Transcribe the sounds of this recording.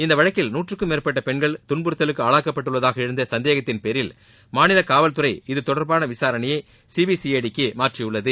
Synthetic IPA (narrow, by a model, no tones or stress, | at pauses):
ɪnd̪ɐʋɐɻɐkːɪlnuːʈrɯkːɯmeːrpɐʈːɐpɛɳɡɐɭt̪ʊɳbɯɾɯt̪ːɐlɯkːɯaːɭaːkːɐpːɐʈːɯɭːɐðaːɣɐɪɻɯnd̪ɐsɐnd̪eːɣɐt̪ːɪnpɛɾɪl | maːnɪlɐkaːʋɐlt̪ɯɾɐɪɪðɯt̪ɔɽɐɾbaːnɐʋɪsaːɾɐɳɐjɐɪ | siːʋisijeɽɪkːɯmaːʈrɪjɯɭːɐðɯ